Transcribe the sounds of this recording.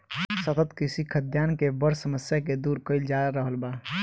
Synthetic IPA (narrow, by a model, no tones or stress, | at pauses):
sət̪ət̪kisikʰəd̪jankebəɾsəməsjaked̪uɾkəɪld͡ʒaɾəɦəlba